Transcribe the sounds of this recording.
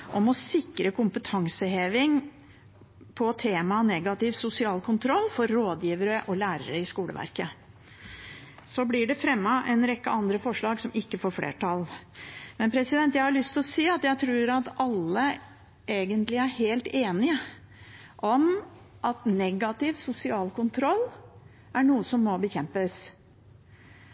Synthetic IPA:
ʔɔmɔsɪkːɾəkʊmpət̪ʰɑŋsəɦeːʋɪŋ | pʰɔt̪ʰeːmɑnɛɡɑt̪ɪʋsʊsɪɑːlkʰʊnt̪ʰɾɔlːfɔɾːoːd̪jiːʋəɾəʔɔlæːɾəɾəɪskuːlə̰ʋʔæ̰ɾkə | sɔblɪɖɛfɾɛmːɑʔɛnɾɛkːəʔɑnd̪ɾəfɔʂɭɑːɡsɔmɪkːəfoːɾflḛːʈʰɑlmɛnpʰɾɛsɪd̪ɛnt̪jæɪhɑɾɭʏst̪ʰɪlɔsiːɑt̪jæɪt̪ʰɾuːɾɑt̪ɑlːə | ʔeːɡənt̪lɪæɾheːlt̪eːnɪə | ʔɔm | ʔɑt̪nɛɡɑt̪ɪʋsʊsɪɑːlkʊnt̪ʰɾɔlː | ʔæɳuːəsɔmːɔbəçɛmpəs

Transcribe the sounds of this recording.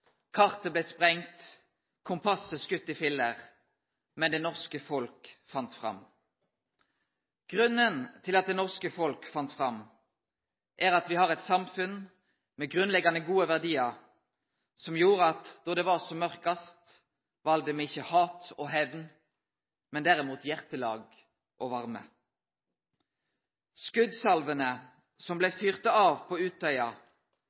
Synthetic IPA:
kʰɑʁt̪əblɛːspʁɛŋt̪ | kʰʊmpʰɑsəskʉt̪ːɪfɪlːəʁ | mɛnd̪ɛːnɔʁskəfɔlkfɑnt̪fʁɑ̰m | ɡ̥ʁʉnːənt̪ʰɪlɑt̪̚d̪ɛːnɔʁskəfɔlkfɑnt̪fʁɑm | ʔæʁɑt̪ʋɪhɑʁɛt̪sɑmfʉn | mɛːɡʁʉnlɛɡɑnəɡuːəʋæʁd̪iːɑʁ | sɔmjuːʁəɑt̪d̪ɔd̪ɛːʋɑʁsɔmœʁkɑst̪ | ʋɑld̪əmɛɪçːəhɑːt̪ɔːɦɛʋn | mɛnd̪æʁɪmuːt̪jæʁt̪əlɑ̰ːɡ | ʔɔʋɑʁmə̰ | skʉd̪sɑlʋənə | sɔmblɛfyːʁt̪ɑɑːʋpʰɔʉːt̪ʰœʏɑ

